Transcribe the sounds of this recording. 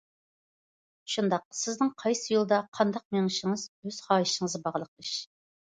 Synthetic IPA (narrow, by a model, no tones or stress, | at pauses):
ʃund̪ɑq̚sɪznɪŋqʰɑjsɨjulˠɨd̪ɑqʰɑnd̪ɑq̚meŋɪʃɪŋɨzøz̥χɑːjiʃɪŋɨzɨbɑʁəlˠəq̚lˠɨʃ